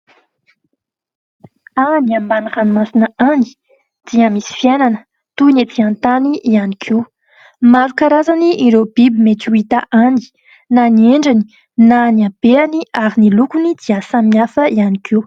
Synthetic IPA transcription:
aniambaniχanumasinəani̥ | d̪̥iəmisi̥fiananə | t̪unet̪iant̪aniʔianikʰew | maɾukaɾazaniʔiɾob̥ibimeʈ͡ʂuit̪aʔani̥ | nanieɳɖ͡ʐani̥ | naniab̥eaniaɾinilukunid̪iasamiafəianikʰew

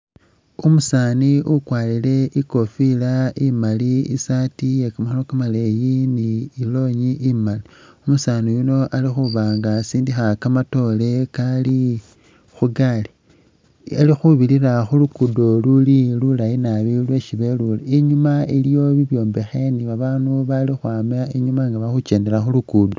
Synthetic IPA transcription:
umusaːniʔukwaːlile̞ʔiko̞filaimaliisatijekamaxanokamalejiniilo̞ɲiʔimaliumusaːnijuno̞ʔalixuβaːŋɡasiːndixakamato̞le̞kali | xuɡali | elixuβiliraxulukudo̞lulilulajinaβilwe̞ʃiβe̞luliiɲumailijo̞βiβjo̞ːmbe̞xe̞niβaβaːnuβalixwaːmaiɲumaŋɡaβaxut͡ʃe̞ːnde̞laxulukudo

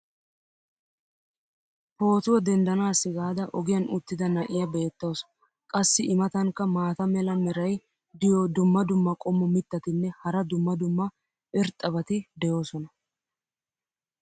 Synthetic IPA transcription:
po̞ːt̪ʊwɐd̪ɛnd̪ɐnaːsːɪɡaːd̪ɐʔɔɡɪjɐnʊt̪ːɪd̪ɐnɐʔɪjɐbe̞ːt̪ːoːs | kʼɐsːɪʔɪmɐt̪ɐŋkːɐmaːt̪ɐmɛlɐmɛɾɐj | d̪ɪjɔd̪ʊmːɐd̪ʊmːɐkʼɔmːɔmɪt̪ːɐt̪ɪnːɛhɐɾɐd̪ʊmːɐd̪ʊmːɐ | ʔɪɾt̪ʼːɐbɐt̪ɪd̪ɛjo̞ːsɔnɐ

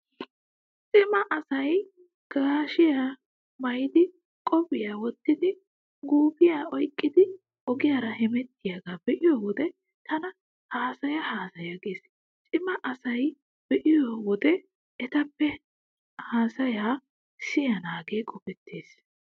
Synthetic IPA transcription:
t͡ʃʼɪmɐʔɐsɐj | ɡ̥aːʃɪjaː | mɐjd̪ɪ | kʼɔbɪjaːwɔt̪ːɪd̪ɪ | ɡuːbɪjaːɔjkʼːɪd̪ɪ | ɔɡɪjaːɾɐhɛmɛt̪ːɪjaɡaːbɛʔɪjoːwɔd̪ɛ | t̪ɐnɐ | haːsɐjɐhaːsɐjɐɡeːs | t͡ʃʼɪmɐʔɐsɐj | b̥ɛʔɪjoːwɔd̪ɛ | ɛt̪ɐpːɛ | haːsɐjaː | sɪjanaːɡeːkʼɔbɛt̪ʰːeːs

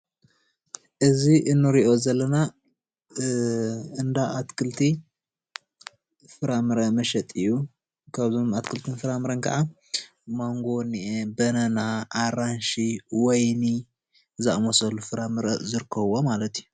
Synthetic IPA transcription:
ʔɨziʔɨnːɨɾiʔo̞zɐlːɐna | ɨnd̪aʔat̪kʰɨlt̪ʰi | fɨɾamɨɾɐmɐʃɛt̪ʼɨjːu | kʰaβzomat̪kʰɨlt̪ʰɨnfɨɾamɨɾɐnkʰa̰ʕa | maŋɡo̞niʔebɐnɐnaʔaɾanʃiwɔjni | zamosɐlːufɨɾamɨɾɐʔzɨɾɨkʰːɐβomalɐt̪iju

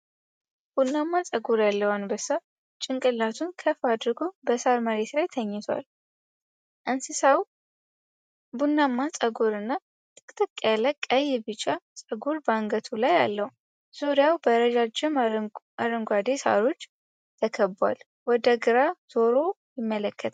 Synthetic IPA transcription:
b̥unːamːat͡sʼəɡoɾjalːəwanbəsa | t͡ʃʼɪŋkʼɨlːat̪ʰunkʰəfad̪ɾɡobəsaɾməɾe̞t̪lajt̪ʰəɲːɪt̪ʰwa̰l | ʔɨnsɨsaw | bunːamːat͡sʼəɡoɾɨnːa | t̪ʼɨ̥kʼt̪ʰʼɨkʼːjaləkʼːəjɛbɨt͡ʃʼːat͡sʼəɡoɾbaŋɡət̪ʰulaja̰lːəhu | z̥uɾɪjawbəɾəd͡ʒad͡ʒːɪmʔaɾəŋɡʷad̪esa̰ɾo̞t͡ʃː | t̪ʰəkʰəba̰l | wɔd̪əɡɨɾazo̞ɾo̞ | jɪmːələkʰːət̪ʰ

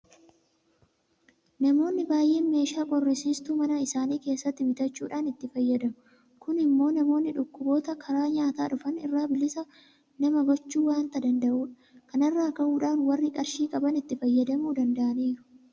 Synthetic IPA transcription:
nɐmo̞ːnːɪbaːjʔe̞ːme̞ːʃaːkʼɔrːɪsiːst̪uːmɐnɐɪsaːniːke̞ːsːɐt̪ːɪbɪt̪ɐt͡ʃːuːᶑaːnɪt̪ːɪfɐjːɐd̪ɐmʊ | kʊnɪmːo̞ːnɐmo̞ːnːɪᶑʊkːʊbo̞ːt̪ɐkʰɐɾaːɲaːt̪aːᶑʊfɐnɪ̰rːaːbɪlɪsɐ | nɐmɐɡɔt͡ʃːuːwaːnt̪ɐd̪ɐnd̪ɐʔuːᶑɐ̥ | kɐnɐrːaːkɐʔuːᶑaːnwɐrːɪkʼɐɾʃiːkʼɐbɐnɪt̪ːɪfɐjːɐd̪ɐmuːd̪ɐnd̪ɐʔɐniːɾʊ̥

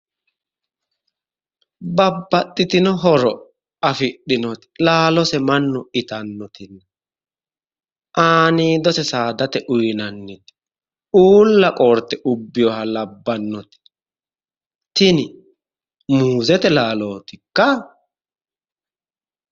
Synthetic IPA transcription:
bɐbːɐt̪ʼːɪt̪ɪnɔɦɔɾɔ | ɐfɪɗːɪnɔt̪ɪ̥laːlɔsɛmɐnːʊɪt̪ɐnːɔt̪ɪnːɛ | ʔaːniːd̪ɔsɛsaːd̪ɐt̪ɛʔʊjnɐnːɛt̪ɪ̥ | uːlːɐkʼoːɾt̪ːɛʔʊbːɪjɔhɐlɐbːɐnːɔt̪ɪ̥ | t̪ɪnɪ | muːzɛt̪ɛlaːloːt̪ɪkːɐ

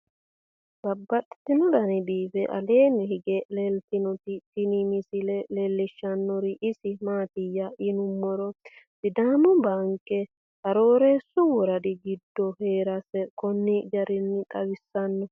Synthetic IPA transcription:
bɐbːɐt̪ʼɛ̥t̪ːɪnɔd̪ɐnɪbiːfɛʔɐ̰le̞ːnɪhɪɡɛlelt̪ɪnɔt̪ɪt̪ɪnimɪsɪlɛlelːɪʃːɐnːɔɾɪʔɪsɪmaːt̪ɪjːɐʔɪnʊmːɔɾɔdɪd̪aːmʊbaŋkʼːɛ | hɐɾoːɾe̞ːsːʊwɔɾɐd̪ɪɡɪd̪ːɔheːɾɐsɛkɔnːɪd͡ʒɐɾɪnːɪt̪ʼɐwɪsːɐnːɔ

